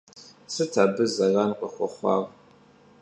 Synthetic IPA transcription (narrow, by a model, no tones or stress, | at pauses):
sɨtʰaːbɨzɐranqʷʼɔxʷɔχʷɑ̰ːʁ